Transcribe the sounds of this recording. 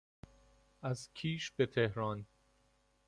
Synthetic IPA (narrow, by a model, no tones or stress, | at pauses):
ʔæzcʰiːʃbet̪ʰehɾɒːn